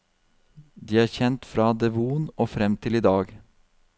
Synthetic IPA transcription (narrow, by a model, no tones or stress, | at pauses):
d̪iːæːɾçɛnt̪fɾɑːd̪ɛʋuːnʔoːfɾɛmt̪ʰɪliːd̪ɑːɡ